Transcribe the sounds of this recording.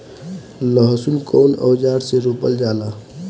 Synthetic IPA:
ləɦsulkoːnɔ̰ːd͡ʒaːɽseɾoːpəld͡ʒaːlaː

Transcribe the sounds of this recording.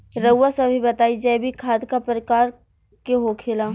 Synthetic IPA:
ɾəwːasɐbʱibɐt̪aːid͡ʒaːebʱikʰaːd̪kapəɾɪkaːɾ | keɦokʰeːlaː

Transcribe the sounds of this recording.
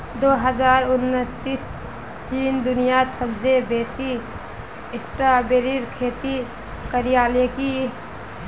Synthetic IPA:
d̪oːɦəzaːɾʊnːət̪ːis | t͡ʃiːnd̪ʊnijat̪səbd͡ʒebeːsi | ɪsʈɾabeːɾiɾkʰeːt̪i | kəɾijaːleki

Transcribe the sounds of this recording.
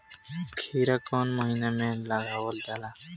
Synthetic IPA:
kʰiɾakɔnmɔɦinamɛlaɡawɔldala

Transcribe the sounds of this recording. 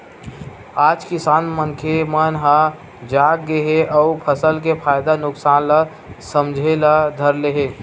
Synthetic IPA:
aːd͡ʒkɪsaːnmənkʰemənɦã | d͡ʒaːkɡeɦeʔɔʊpʰəsəlkepʰaːjd̪anʊksaːnla | səmd͡ʒʱelad̪ʱəɾleɦeː

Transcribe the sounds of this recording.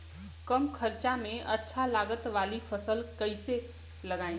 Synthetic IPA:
kəmkʰəɾt͡ʃamẽʔɐtːʃʰalaːɡət̪ʋaːlifʰəsəlkəɪse | lɐɡaːẽ

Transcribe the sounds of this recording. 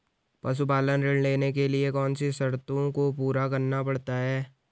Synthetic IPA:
pɐs̬upaːlənɾɪɽneːnekeliekɔːnsisɐɾt̪õkopuːɾakɐɾnapɐɽt̪aɦɛː

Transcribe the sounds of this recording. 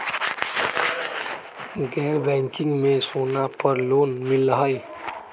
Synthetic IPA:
ɡɛːɾbɛ̃ŋkɪ̃ŋɡmẽsonapəɾloːnmɪlːəɦəj

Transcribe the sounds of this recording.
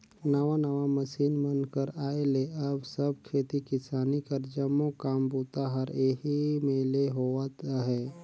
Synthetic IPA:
nəʋanəʋaməsiːnmənkəɾaːeleəbsəb̚kʰeːt̪ikɪsaːnikəɾd͡ʒəmokaːmboːt̪aɦəɾeɦimeleɦoat̪aɦɛː

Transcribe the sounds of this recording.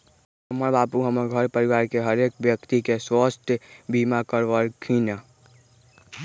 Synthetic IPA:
ɦəməɾbaːpuɦəməɾɡʱəɾpəɾiʋaːɾkeɦəɾeːkbjəkt̪ikeswəst̪ʰjbʱimakəɾʋəɾkʰinə

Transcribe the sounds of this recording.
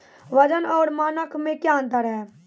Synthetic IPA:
ʋəd͡ʒənɔːɾmaːnəkʰmẽkjãnt̪əɾɦɛː

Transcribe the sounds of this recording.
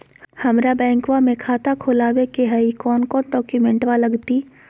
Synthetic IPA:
hɐmɾabɛ̃ːŋkwamẽkʰaːt̪akʰoːlaːwekeɦəikɔːnkɔːnɖɔːkjumẽɳʈʋalɐɡt̪iː

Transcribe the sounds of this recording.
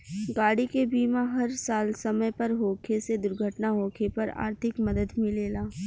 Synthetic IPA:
ɡaːɽikebiːmaɦɐɾsaːlsɐməjpɐɾɦoːkʰesed̪ʊɾɡʱəʈnaɦoːkʰepɐɾa̰ːɾt̪ʰɪkmɐd̪əd̪mẽleːlaː

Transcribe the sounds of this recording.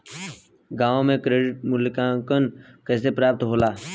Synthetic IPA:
ɡaːʋõmẽkɾeːɖɪʈ̚mʊlkãkənkɛːs̬epɾaːp̚t̪ɦoːlaː

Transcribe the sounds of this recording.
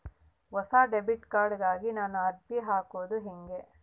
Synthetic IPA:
ʋɐsaːɖebiʈkaːɾɖɡaːɡinaːnuɐɾd͡ʒiɦaːkoːd̪uɦeŋɡe

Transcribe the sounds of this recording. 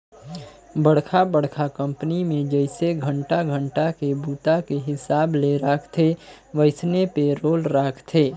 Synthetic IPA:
bəɽkʰabəɽkʰakə̃mpnimẽd͡ʒəɪseɡʱəɳʈaɡʱə̃ɳʈakebuːt̪akeɦɪsaːbleɾaːkʰt̪ʰe | ʋəɪsnepeɾoːlɾaːkʰt̪ʰeː

